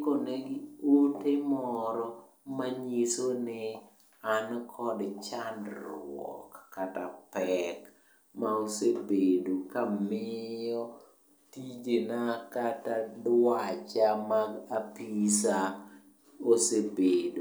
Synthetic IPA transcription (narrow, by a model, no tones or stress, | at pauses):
koneɡiutɪmɔɾɔ | maɲisonɪ | ankʰɔdt͡ʃandɾwɔ̰kːatapɛk | maosebedokamɪjɔ | tid͡ʒenakatadwat͡ʃamaɡapisa | osebedo